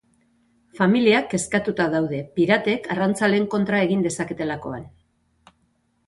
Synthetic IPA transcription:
familiake̞skat̪ut̪aðawðe̞piɾat̪e̞karant͡sale̞ːŋko̞nt̪ɾae̞ɣind̪e̞sake̞t̪e̞lako̞̰a̰n

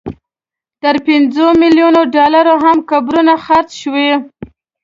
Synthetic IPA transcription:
t̪əɾpɪnd͡zomɪljunoɖɑlaɾoɦamkabɾunaxaɾt͡sʃwe

